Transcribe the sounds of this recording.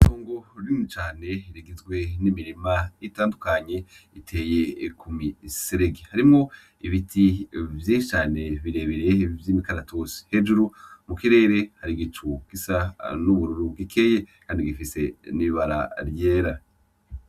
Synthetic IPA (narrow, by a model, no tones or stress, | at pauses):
tʰoːŋɡo̞ɾjimut͡ʃaːne̞ɾiɡizɡwe̞nimiɾimaitaːndukaɲe̞itʰe̞je̞kʰumiseɾeɡihaɾimo̞ | iβitʰivjiːʃit͡ʃaːne̞βiɾe̞βeɾe̞vjimikaɾatʰosi̥he̞d͡ʒuɾumukiɾe̞ːɾe̞haɾiɡitʰuɡ̥isanuβuɾuɾuɡikʰe̞jekʰaːndiɡifise̞niβaɾa̰ɾjeːɾa